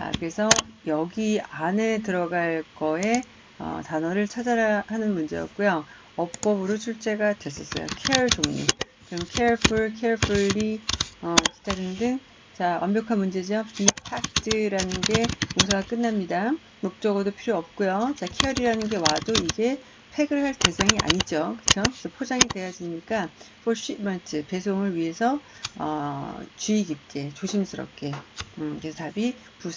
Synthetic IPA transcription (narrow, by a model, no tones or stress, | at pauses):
a̰kɯɾe̞sʰʌjʌɡiane̞t̬ɯɾʌɡaɭk͈ʌe̞ | ʌ̰tanʌɾɯɭt͡ɕʰad͡ʑaɾahanɯnmund͡ʑe̞jʌ̰p̚k͈ujo | ʌp̚p͈ʌbɯɾot͡ɕʰuɭt͡ɕ͈e̞ɡadwe̞s͈ʌs͈ʌ̰jo̰kʰeʌɭd͡ʑomiɲḭ | kɯɾʌmkʰe̞ʌɭpʰuɭkʰeɭfʰuɭɾiʌki̥daɾinndɯŋ | t͡ɕawʔa̰mbjʌkʰanmund͡ʑe̞d͡ʑiʌpipʰak̚t͈ʰɯɾanɯnɡe̞koŋsʰaɡak͈ɯnːamɲida | mok̚t͡ɕ͈ʌɡɯdopʰiɾjoʌp̚k͈ujot͡ɕakʰeʌɾiɾanɯnɡe̞wadoiɡe̞ | pʰe̞ɡɯɭɦaɭte̞sʰaŋiʔa̰ɲid͡ʑokɯt͡ɕʰokesʰʌpʰod͡ʑaŋide̞jad͡ʑiɲik͈apʰoɕ͈imantʰɯpe̞sʰoŋɯɭɥiɦe̞sʰʌʌ̰t͡ɕuiɡip̚k͈e̞t͡ɕoɕʰimsʰɯɾʌ̰p̚k͈e̞ɯkɾesʰʌtabi | pu